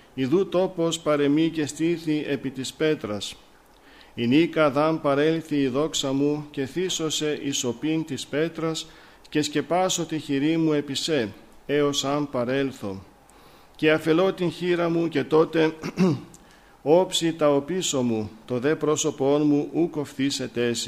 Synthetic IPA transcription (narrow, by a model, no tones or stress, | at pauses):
iðut̪o̞po̞spɐɾe̞mice̞st̪iθie̞pit̪ispe̞t̪ɾɐs | inikɐðɐmpɐɾe̞lθiːðo̞ksɐmuce̞θiso̞se̞ʔiso̞pint̪ispe̞t̪ɾɐs | ce̞sce̞pɐso̞t̪içiɾimue̞pise̞ | e̞o̞sɐmpɐɾe̞lθo̞ | ce̞ɐfe̞lo̞t̪inçiɾɐmuce̞t̪o̞t̪e̞ | o̞psit̪ɐopiso̞mut̪o̞ðe̞pɾo̞so̞po̞nmuʔuko̞fθise̞t̪e̞si̥